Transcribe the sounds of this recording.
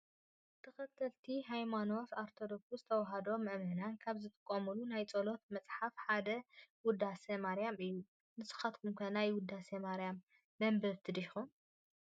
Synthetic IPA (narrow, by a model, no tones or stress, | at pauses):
t̪ʰɐxɐt̪ʰːɐlt̪ʰiɦajmano̞faɾt̪ʰo̞d̪oksuzɨt̪ʰɐwɐɦad̪o̞mɐʔmɐnankʰaβzɨt̪ʰɨ̥kʼːɐmulunajt͡sʼɐlo̞t̪mɐt͡sʼħafħad̪ɐwʊd̪asɐmaɾijamɨjːu | nɨsɨ̥xat̪kʰumkʰɐnajwʊd̪ːasɐmaɾjamː | ɐmbɐβt̪ʰɨd̪ixum